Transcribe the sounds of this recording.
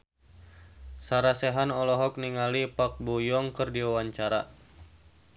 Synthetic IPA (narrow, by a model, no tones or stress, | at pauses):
saɾasɛɦanɔlɔɦɔk̚niŋalipak̚bujɔŋkərdiwawaɲt͡ʃaɾa̰